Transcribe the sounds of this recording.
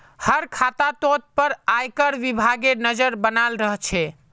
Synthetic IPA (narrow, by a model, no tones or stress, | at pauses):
həɾkʰat̪at̪ot̪̚pəɾajkəɾʋibʱaɡenəd͡ʒəɾbənalɾəɦət͡ʃʰɛ